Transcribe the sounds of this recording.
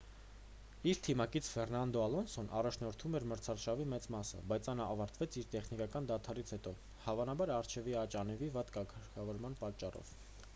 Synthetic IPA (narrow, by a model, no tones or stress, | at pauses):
iɾt̪ʰimɑkit͡sʰfɛrnɑnd̪ɔɑlɔnsɔnʔɑ̰rɑt͡ʃʰnɔɾt̪ʰumɛɾməɾt͡sʰɑrʃɑvimɛt͡smɑsə̰bɑjt͡sʰɑnɑvɑɾt̪vɛt͡sʰiɾt̪ɛχnikɑkɑnd̪ɑt̪ʰɑɾit͡sʰhɛt̪ɔ | hɑvɑnɑbɑɾɑɾt͡ʃʰɛviɑt͡ʃɑnɛvivɑt̪kɑkʰəɾkʰɑvɔɾmɑnpɑt͡ʃːɑrɔ̰v̥